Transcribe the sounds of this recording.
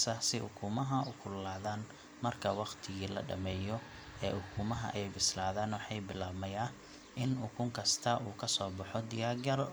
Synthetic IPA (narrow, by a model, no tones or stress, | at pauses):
sɐsɪhʊkʰuːmɐɦɐʊkʰʊlːaːðaːn | mɐrkʰɐwɑqt̪ʰɪɣiːlɐ̰ɖɐ̰mɛːjɔ | ɛːʊkʰuːmɐɦɐ̰ʔɛjbɪslaːðaːnwɑħɑjbɪlaːbmɐjɐ | ʔɪnʊkʰʊŋkʰɐst̪ʰɐuːkʰɐsɔːbɑħɔd̪ɪjaːɡɐr